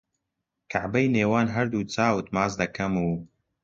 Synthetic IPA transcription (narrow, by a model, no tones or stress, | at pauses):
kʰaʕbɐjneːwaːnɦɐɾd̪uːt͡saːwɨt̪̚maːzd̪ɐkʰɐmuː